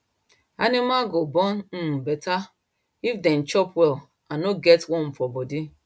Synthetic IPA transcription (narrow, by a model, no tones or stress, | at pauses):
anɪmaɡobɔn̩bɛta | ifdɛn̩t͡ʃɔpwɛl | anoɡɛtwɔ̃m̩fɔbɔdi